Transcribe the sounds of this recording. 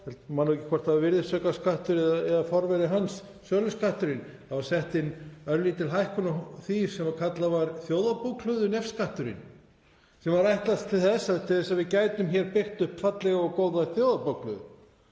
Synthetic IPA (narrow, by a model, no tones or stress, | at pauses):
hɛlt̪manːuwcɪ̥kʰvɔr̥t̪avavɪɾðɪsœːkaskaht̪ʏɾɛðaɛðafɔɾvɛɾɪɦansːœːlʏskʰaht̪ʏɾɪnθavaɾ̥sɛht̪ɪnœɾlit̪ʰɪlɦajhkɔnaθi̥ːsɛmvaɾkʰat̪lavaɾθjoːwðapuwkl̥œðʏnɛfskaht̪ʏɾɪ̰n | sɛmvaɾajht̪last̪ʰɪlθɛsːat̪ʰɪlθɛsavɪðcaːjt̪ʏmçɛɾpɪr̥t̪ʏhpfat̪lɛɣaɔɣkoːwðaθjowðapowklʏ̰ðʏ